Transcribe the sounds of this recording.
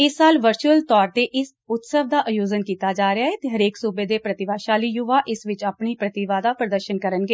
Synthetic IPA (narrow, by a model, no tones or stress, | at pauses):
ɪsːaːlʋəɾt͡ʃuəlt̪ɔːɾt̪eːʔɪs | ʊt̪səʋd̪aːʔəjoːd͡ʒənkiːt̪aːd͡ʒaːɾɪaːɦɛːt̪eːɦəɾeːksuːbeːd̪eːpɾət̪ɪʋaːʃaːliːjʊʋaːʔɪsʋɪt͡ʃəpniːpɾət̪ɪʋaːd̪aːpɾəd̪əɾʃənkəɾənɡeː